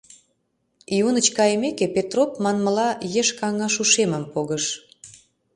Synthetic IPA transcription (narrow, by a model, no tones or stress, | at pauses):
iunət͡ɕkɑjəmekepet̪ropmɑnmə̆lɑjeʃkɑŋɑʃuʃeməmpoɣəʃ